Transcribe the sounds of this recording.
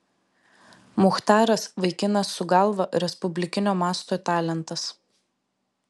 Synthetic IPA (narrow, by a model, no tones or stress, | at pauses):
mʊxt̪ɑːɾɐsʋɐɪkʲɪnɐsːʊɡɐlˠʋɐʔɾʲɛspʊbʲlʲɪkʲɪnʲoːmɑːst̪oːt̪ɑːlʲɛnˑt̪ɐs